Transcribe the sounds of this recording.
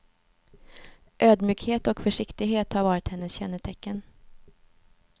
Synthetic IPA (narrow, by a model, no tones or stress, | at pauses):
ʔøːd̪myːkheːt̪ɔkfœʂɪkt̪ɪɡɦeːt̪haɾvɑːɾɪt̪hɛnːəsɕɛnːət̪ʰɛkːən